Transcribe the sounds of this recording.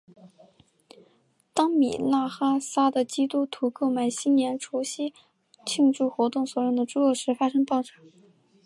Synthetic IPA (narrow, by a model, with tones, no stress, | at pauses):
t̪ɑ˥ŋmḭ˨˩la˥˩xa˥sa˥d̪ə˨t͡ɕi˥t̪u˥t̪ʰu˧˥ko˥˧ʊma˥˩ɪɕi˥nnjɛ˧˥nʈ͡ʂʰo˧˥ʊɕi˥ | t͡ɕʰi˥˧ŋʈ͡ʂu˥˩xwɔ˧˥t̪ʊ˥˩ŋswɔ˨˩jʊ˥˩ŋd̪ə˩ʈ͡ʂu˥o˥˧˩ʂɻ̩˧˥fa˥ʂɤ˥ŋpɑ˥˩ʊʈ͡ʂa˨˩˦ŋ